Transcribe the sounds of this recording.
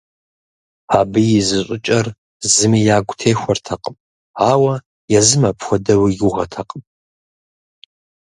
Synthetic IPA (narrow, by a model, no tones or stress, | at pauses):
aːbɨjɪzɨɕʷʼʊt͡ʃʼɐr | zɨmijaːɡʷʊtʰeːxʷɔrtʰɐqʼəm | aːwɐ | jazɨmapʰxʷɔdɐwijuʁɐtʰɐqʼəm